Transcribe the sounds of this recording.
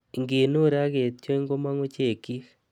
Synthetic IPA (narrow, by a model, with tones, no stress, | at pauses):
ŋɡe˨no˦ɾa˦ɣe˨tjo˦i˦ŋɡo˦ma˦ŋu˦t͡ʃe˨ki˦